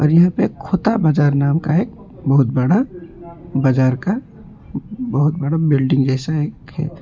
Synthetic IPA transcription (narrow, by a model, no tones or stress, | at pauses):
ɔ̰ːɾjɐɦãpekʰːoːt̪abaːd͡ʒaːɾnaːmkaeːk̚ | bəɦʊt̪̚bəɽa | bad͡ʒaːɾka | bəɦʊt̪̚bəɽabɪlɖɪ̃ŋɡd͡ʒɛːsaeːkɦɛ̰